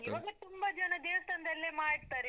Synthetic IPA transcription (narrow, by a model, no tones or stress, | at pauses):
iʋɐɡet̪umbɐd͡ʒɐnɐd̪eːʋt̪ɐnd̪ɐlːemaːiɽt̪aːɾe